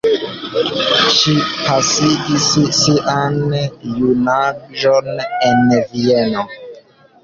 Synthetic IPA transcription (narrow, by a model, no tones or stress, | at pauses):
ʃipasiʔisːiʔanjunaʒonenvieno